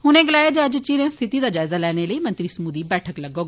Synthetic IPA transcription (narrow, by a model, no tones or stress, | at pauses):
ɦʊnẽːɡəlaːjaːd͡ʒəd͡ʒt͡ʃiːɾẽːst̪ʰɪt̪iːd̪aːd͡ʒaːɪzaːlɛːɽ̃eːləiːmənt̪ɾiːsəmuːd̪iːbɛːʈʰəkləɡoː